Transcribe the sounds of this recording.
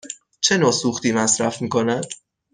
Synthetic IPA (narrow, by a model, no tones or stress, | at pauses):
t͡ʃʰe̞noːsuːxt̪iːmæsɾæfmiːkʰo̞næd̪̥